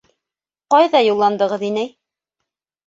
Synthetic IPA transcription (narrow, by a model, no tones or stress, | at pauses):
qɑjðɑjulˠːɑnd̪ɤ̆ʁɤðinɘ